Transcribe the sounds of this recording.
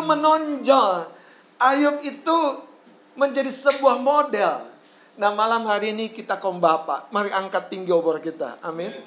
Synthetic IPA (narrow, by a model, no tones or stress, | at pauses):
umənɔɲd͡ʒɔŋ | ʔajʊk̚it̪u | məɲd͡ʒadisəbuahmodɛl | nahmalamɦaɾiːnikit̪akɔŋbapa̰ʔmaɾiaŋkat̪ːiŋɡiɔbɔɾkit̪a̰amɪn